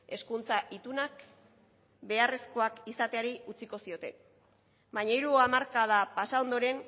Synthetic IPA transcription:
e̞skunt͡saʔit̪unak | be̞are̞sko̞akisat̪eaɾiut͡siko̞sio̞t̪e̞ | baɲaiɾuamaɾkað̞apasao̞nd̪o̞ɾe̞n

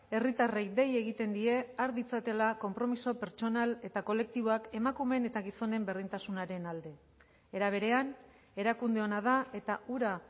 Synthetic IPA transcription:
e̞rit̪arejd̪e̞je̞ɣ̞it̪e̞nd̪ie̞aɾðit͡sat̪e̞lako̞mpɾo̞miso̞pe̞ɾt͡ʃo̞nale̞t̪ako̞le̞k̚t̪iβo̞ake̞makume̞ne̞t̪aɣiso̞ne̞mberðint̪asunaɾe̞nald̪e̞ | eɾaβ̞e̞ɾe̞an | e̞ɾakund̪e̞o̞nað̞ae̞t̪auɾa

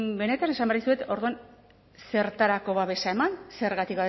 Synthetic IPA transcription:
be̞ne̞t̪ane̞sambearðisue̞t̪o̞ɾðuan | se̞ɾt̪aɾako̞βaβe̞ʃae̞manse̞ɾɣat̪ikβaβ

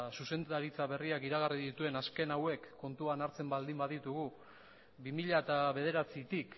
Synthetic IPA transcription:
suse̞nd̪aɾit͡saβe̞riakiɾaɣariðit̪ue̞naske̞nawe̞kːo̞nt̪uanaɾt͡se̞mbald̪imbaðit̪uɣ̞u | bimiʎaet̪aβe̞ð̞e̞ɾat͡sit̪ik

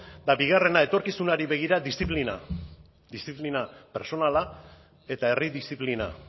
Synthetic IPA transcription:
d̪abiɣ̞are̞nae̞t̪o̞ɾkisunaɾiβe̞ɣ̞iɾad̪ist̪iplina̰ | d̪ist̪iplinape̞ɾso̞nala | e̞t̪ae̞riðist̪iplina̰

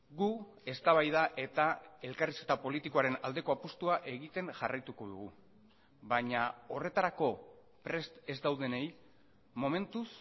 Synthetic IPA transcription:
ɡu | e̞st̪aβ̞ajðaʔe̞t̪ae̞lkariske̞t̪apo̞lit̪iko̞aɾe̞na̰ld̪e̞ko̞apost̪uaʔe̞ɣit̪e̞ŋʝarajt̪uko̞ðṵɣ̞u | βaɲao̞re̞t̪aɾako̞ | pɾe̞st̪e̞zd̪awðe̞ne̞j | mo̞me̞nt̪us

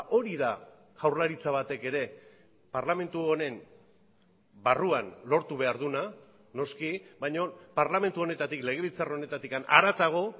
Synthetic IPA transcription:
o̞ɾiða | ɣawɾlaɾit͡saβat̪e̞ke̞ɾe̞ | paɾlame̞nt̪uone̞m | baruanlo̞ɾt̪uβe̞aɾðuna | no̞skibajɲo̞paɾlame̞nt̪uo̞ne̞t̪at̪ikle̞ɣ̞e̞β̞it͡sarone̞t̪at̪ikana̰ɾat̪aɣ̞o̞

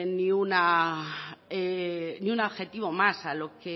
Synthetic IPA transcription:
nĩuna | eniunoβxet̪iβo̞masaloke

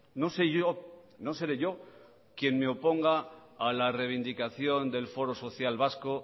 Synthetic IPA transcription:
no̞seʝono̞se̞ɾeʝo̞ | kje̞nme̞o̞po̞ŋɡaːlare̞β̞ind̪ikaθjo̞nd̪e̞lfo̞ɾo̞so̞θjalβasko̞

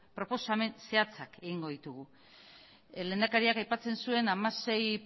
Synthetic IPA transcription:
pɾo̞po̞same̞nse̞at͡sake̞ɣiŋɡo̞ðit̪uɣ̞u | le̞ːnd̪akaɾiakajpat͡se̞nsue̞namase̞j

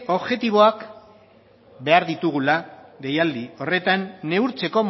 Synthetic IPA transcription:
o̞βʝe̞t̪iβ̞o̞ak | be̞aɾðit̪uɣ̞ulaɣe̞jald̪io̞re̞t̪anːe̞uɾt͡se̞ko̞m

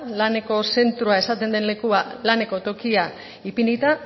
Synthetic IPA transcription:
lane̞ko̞se̞nt̪ɾuae̞sat̪e̞nd̪e̞nle̞kualane̞ko̞t̪o̞kia | ipinit̪a

